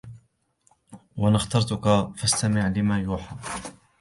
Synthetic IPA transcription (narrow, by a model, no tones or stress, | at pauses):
wanaxt̪ɑɾˤt̪ʊkafast̪amɪʕlɪmaːjuːħaː